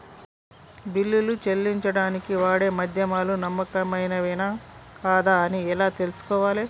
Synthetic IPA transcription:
bilːilut͡ʃe̞lːiɲt͡ʃɐɽaːnikiʋaːɽe̞ːmɐd̪ʱjɐmaːlunɐmːɐkɐmɐjnɐʋinaːkaːd̪aɐniɛlaːt̪e̞lusu̥kɔːʋaːle

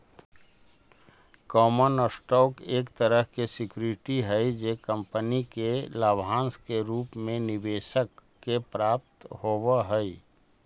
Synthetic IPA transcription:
kɔːmənəsʈɔːkeːkt̪əɾəɦkesɪkjuɾɪʈiɦɛid͡ʒeːkə̃mpənikelaːbʱɦãːnskeɾuːpmẽnɪʋeːʃəkː | epɾaːp̚t̪hoːwəɦəi

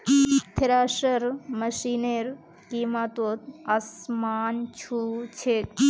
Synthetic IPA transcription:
t̪ʰeɾaːʃɐɾmɐʃineɾ | kimat̪ot̪asmaːnt͡ʃʰuːt͡ʃʰe

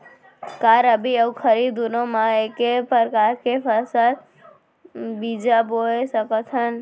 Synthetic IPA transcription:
kaɾəbiəwkʰəɾid̪unomãekepəɾkaɾkepʰəɾsəl | bid͡ʒaboesəkət̪ʰɦən

